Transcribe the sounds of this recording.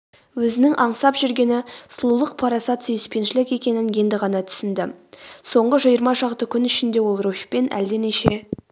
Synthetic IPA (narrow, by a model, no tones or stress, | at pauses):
wɵzɪnɪŋʔɑɴsɑpʒʏɾɡʲe̞nɪslˠulˠəq̚pʰɑɾɑsɑt̪sejɪspe̞nʃɪlɪkʲe̞kʲe̞nɪŋje̞nd̪ɪʁɑnɑt̪ʰʏ̥sɪnd̪ɪso̞ɴʁəʒəjəɾmɑʃɑqt̪əkʲʰʏnʏʃɪnd̪e̞wo̞lˠrofʲpe̞nʔæ̰ld̪eneʃe